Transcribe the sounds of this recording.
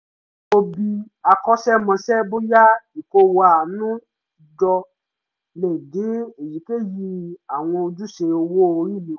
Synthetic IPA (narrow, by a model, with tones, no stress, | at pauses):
o˧bi˧ | a˧kɔ˦ʃɛ˦mã˧sɛ˦bo˦ja˦i˨ko˧wa˧˦a˨nũ˦ | d͡ʒɔ˧ | lɛ˨de˨˦e˨ji˨˦ke˦ji˧˦a˨w̃ɔ̃˧o˧d͡ʒu˦ʃe˧o˧wo˦o˧ɾi˦˨li˨˦